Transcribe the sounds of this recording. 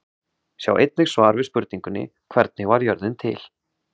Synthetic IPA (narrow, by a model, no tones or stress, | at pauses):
sja̰wʔejt̪̚nɪɣ̥svaːɾvɪspʏɾt̪niŋkʏnːɪ̰kʰv̥ɛɾt̪̚nɪɣvaɾjœɾðɪnt̪ʰɪ̰l̥